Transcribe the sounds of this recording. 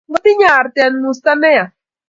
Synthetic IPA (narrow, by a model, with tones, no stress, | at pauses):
ɡo˦t̪i˦ɲaː˦˨ɾt̪eanmust̪a˦ne˦ja˨